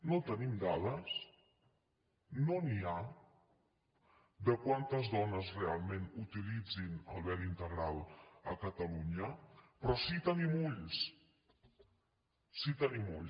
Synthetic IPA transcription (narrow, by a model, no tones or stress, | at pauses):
not̪ənimd̪aðəs | nonia | d̪əkwant̪əzðɔnəzrealˠmenut̪ilid͡zinə̰lˠβɛɾint̪əɣɾalˠəkət̪əluɲəpɾɔsit̪ənimuʎs | sit̪ənimṵʎ